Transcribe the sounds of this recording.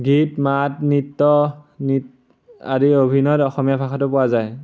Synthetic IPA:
ɡitmatnitːɔnit̚ | a̰ɹiobʱinɔtɔxɔmijapʰakʰatʊpʊwazaj

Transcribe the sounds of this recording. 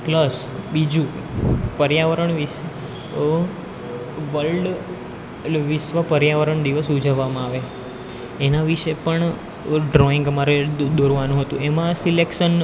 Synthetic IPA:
pləs | bid͡ʒũ | pəɾjaʋəɾəɳʋis | ʋəlɖ | ʋisʋapəɾjaʋəɾəɳd̪iʋəsud͡ʒəʋːamãaʋe | enaʋiʃepəɳ | ɖɾɔiŋɡəmaɾed̪oɾʋanũɦət̪ũemãsilekʃən

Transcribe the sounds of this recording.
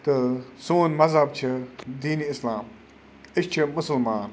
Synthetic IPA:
t̪ɨsoːnmɐzɦɐb̚t͡ʃʰid̪iːniɪslaːm | ɪʃt͡ʃʰimʊsəlmaːn

